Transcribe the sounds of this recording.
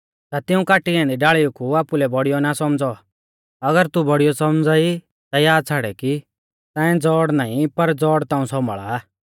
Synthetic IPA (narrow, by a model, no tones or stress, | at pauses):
t̪at̪ɪũkaːʈiɛ̃ːnd̪iɖaːɭiukuaːpulɛbɔɽijɔnasɔmd͡zɔ | ɐɡəɾt̪ubɔɽijɔsɔmd͡zaːi | t̪ajaːd̪̚t͡sʰaɽɛki | t̪ɛ̃ːɛ̃d͡zɔːɽnaːĩpɐɾd͡zɔːɽt̪ãːũsɔmɭa̰ː